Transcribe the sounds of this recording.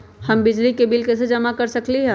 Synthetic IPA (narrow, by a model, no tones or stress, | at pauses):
hɐmbɪd͡ʒlikebɪlkesed͡ʒɐmakɐɾsɐkliɦɛ̃ː